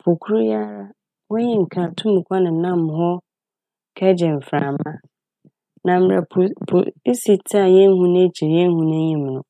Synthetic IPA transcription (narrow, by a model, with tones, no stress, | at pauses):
pʰo˨kʰu˦ɾʊ˦ja˦ɾa˦ | wɔ˦ɲĩ˦ŋ̩˨kʰã˨tʰũ˦m˨kʷʰa˦nɪ̃˨˦nã˦m˨hɔ˦ | kʰɛ˦d͡ʑɛ˨m̩˨fɾaː˨mã˦ | nã˨m˨ɾa̰˨pʰo̰˨˦si˨tʰa˦˨ɲɛ̃˦n˦hũ˦nã˦t͡ɕʰi˨ɾjɛ̃˦n˦hũ˦nã˦ɲĩ˨m˨nʊ̃˨